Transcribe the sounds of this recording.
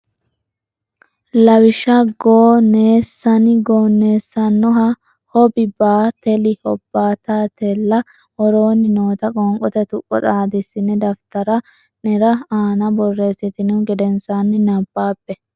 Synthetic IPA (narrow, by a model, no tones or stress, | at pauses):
lɐwɪʃɐɡoːne̞ːsːɐnɪɡoːne̞ːsːɐnːɔɦɐ | hɔbɪbaːt̪ɛlɪhɔbːaːt̪aːt̪ɛlːɐ | hɔɾo̞ːnɪno̞ːt̪ɐkʼɔŋkʼɔt̪ɛt̪ʊʔʼːɔ̰t͡sʼaːd̪ɪsːɪnːɛd̪ɐft̪ɐɾɐ | nɛɾɐaːnɐbɔrːe̞ːsɪt̪ɪnʊɡɛd̪ɛnsanːɪnɐbːaːpːɛ